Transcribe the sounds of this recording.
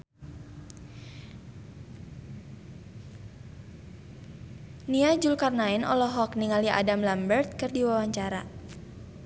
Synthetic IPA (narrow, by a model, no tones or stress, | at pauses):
niad͡ʒulkarnaɛnʔɔ̰lɔɦɔkniŋaliʔa̰damlambərt̪̚kɨrdiwawaɲt͡ʃaɾa̰